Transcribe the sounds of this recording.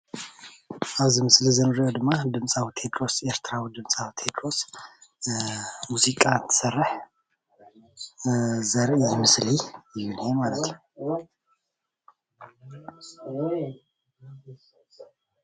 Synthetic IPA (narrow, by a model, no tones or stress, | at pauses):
ʔaβzimɨslizɨnɨɾijod̪ɨmːad̪ɨmsʼawit̪ʰe̞t̪ɾo̞se̞ɾt̪ʰɨɾawid̪ɨmsʼawit̪ʰe̞t̪ʰɾo̞s | muzikʼaɨnt̪ʰɨ̥sɐrːɨħ | zɐɾʔimɨslijɨjɨnimalət̪